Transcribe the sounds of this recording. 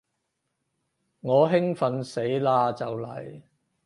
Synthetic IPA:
ŋɔː˨˧ɦɪ˥ŋfɐ˨nse˨˥jlaː˧t͡sɐ˨wlɐ̰˨˩j

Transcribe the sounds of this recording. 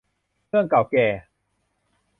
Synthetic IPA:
ɯ˥˩əŋka˨˩wkɛː˨˩

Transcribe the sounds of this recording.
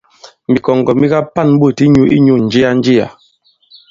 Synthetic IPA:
mi˨kɔ˨ŋ˨ɡɔ˨mi˦ka˦pa˦˨n˦ɓu˦˨ti˦ɲu˦ʔḭ˦ɲu˦˨n̩˨d͡ʒi˦a˦n̩˦d͡ʒi˦a̰˨

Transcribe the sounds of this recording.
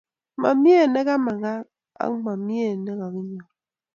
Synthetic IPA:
ma̰˨mi˦e˦˨ne˦ɣa˦ma˨ɣa˦ | a̰˦ma˨mje˦˨ne˦ɣa˨ki˦ɲɔ˨

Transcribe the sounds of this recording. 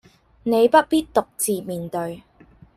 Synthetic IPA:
ne˨˧jpɐ˥t̚piː˥t̚t̪ʊ˨k̚t͡siː˨miː˨nt̪ɵ˧ɥ

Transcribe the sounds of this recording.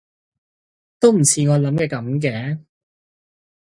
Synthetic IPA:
t̪o˥wm̩˨˩t͡sʰiː˨˧ŋɔː˨˧lɐ˨˥mkɛː˧kɐ˨˥mk̬ɛː˨˥

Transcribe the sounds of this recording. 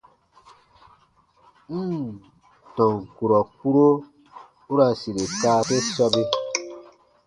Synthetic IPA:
m̩˦ | tɔ̃˨ŋku˨ɾɔ˨ku˦ɾo˦ | u˦ɾa˧si˨ɾe˨kaː˦pe˦sɔ˧be˧

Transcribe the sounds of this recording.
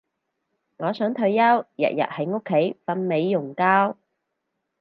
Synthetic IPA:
ŋɔː˨˧sœː˨˥ŋt̪ʰɵ˧ɥjɐ˥wjɐ̰˨t̚jɐ̰˨t̚hɐ˨˥jŋʊ˥kʰːe˨˥jfɐ˧nme˨˧jːʊ˨˩ŋkaː˥w

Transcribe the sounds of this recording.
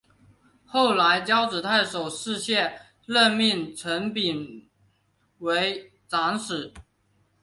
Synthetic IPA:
xo˥˩ʊla˧˥ɪt͡ɕjɑ˥ʊʈ͡ʂɻ̩˨˩t̪ʰa˥˩ʂo˨˩ʊʂɻ̩˥˧ɕjɛ˥˩n | lə˥˧nmi˥˩ŋʈ͡ʂʰə˧˥ŋpi˨˩n | we˧˥ɪ | ʈ͡ʂa˧˥ŋʂɻ̩˨˩˦

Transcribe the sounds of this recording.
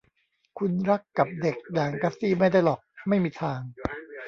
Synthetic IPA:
kʰu˧nɾa˦˥kːa˨˩p̚de˨˩k̚jaː˨˩ŋka˧˥siː˥˩ma˥˩jda˥˩jlɔː˨˩k̚ma˥˩jmiː˧t̪ʰaː˧ŋ

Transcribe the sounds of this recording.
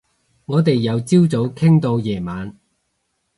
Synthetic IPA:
ŋɔː˨˧t̪e˨jːɐ˨˧wt͡siː˥wt͡so˨˥wkʰɪ˥ŋt̪o˧wjɛː˨˩maː˨˧n

